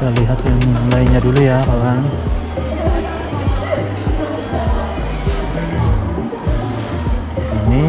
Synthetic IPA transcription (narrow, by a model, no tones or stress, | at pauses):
aliɦat̪jaŋlaiɲadulujakalaŋ | sini